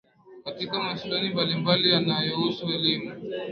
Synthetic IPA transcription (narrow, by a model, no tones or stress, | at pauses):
katikamasuɗanimbalimbalijanajɔhusuɛlimu